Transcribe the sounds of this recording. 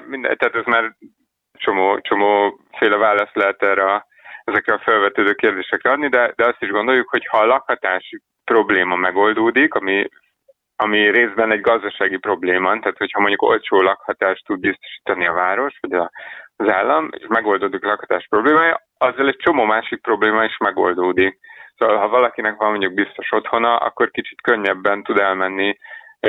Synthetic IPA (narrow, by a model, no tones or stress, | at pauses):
mind̪ɛ̰t̪ɛaːt̪ɛzmaːr | t͡ʃo̞moːt͡ʃo̞moːfeːlɛvaːlɒst̪lɛɦɛt̪ɛːrɒ | ɛzɛkrɛɒfølvɛt̪øːd̪øːkeːrd̪eːʃɛkrɛɒd̪nid̪ɛd̪ɛɒst̪iʒɡond̪o̞jukhochɒlɒkhɒt̪aːʃi | pro̞bleːmɒmɛɡo̞ld̪oːd̪ikɒmi | ɒmireːzbɛnɛɟɡɒzd̪ɒʃaːɡipro̞bleːmɒnt̪aːt̪hochɒmo̞ɲɟuko̞̰lt͡ʃoːlɒkhɒt̪aːʃt̪ud̪̚bist̪o̞̥ʃi̥ːt̪ɒniɒvaːɾo̞ʃʋɒɟɒzaːlːɒmḛʃmɛɡo̞ld̪oːd̪iklɒkhɒ̥t̪aːʃpro̞bleːmaːjɒ | ɒzːɒlɛc̚t͡ʃo̞moːmaːʃik̚pro̞bleːmɒiʃmɛɡo̞̰ld̪oːd̪ik̚soːvɒlɦɒvɒlɒkinɛkʋɒmːoɲɟuɡ̚bist̪o̞ʃo̞t̪ho̞nɒʔɒ̰kːo̞rkit͡ʃi̥t̪køɲːɛbːɛnt̪ud̪ɛlmɛnːi